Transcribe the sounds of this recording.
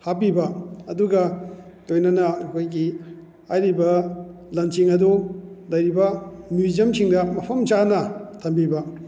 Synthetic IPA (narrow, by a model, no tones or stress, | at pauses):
hapibɐɐduɡɐlojnɐnɐɐkʰojɡi | ajɾibɐ | lɐnsiŋɐdulɐjɾibɐmuzɐmsʰiŋdɐmɐpʰɐmt͡ʃanɐtʰɐmbibɐ